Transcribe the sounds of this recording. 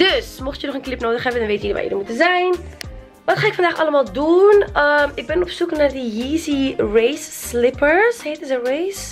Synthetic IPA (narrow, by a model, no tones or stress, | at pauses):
d̥øsmɔχtjənɔχənklɪpnoːdəχɦɛbəndɛnʋejtjidəʋa̰jə̰dəmutənzɛjn | ʋɑtχaːɪkfɑndaːχɑləmaːlˠdunəmɪɡ̚bɛnɔpsuknaːrdəjiːzirejsːlɪpəɹsɦejtəzərejs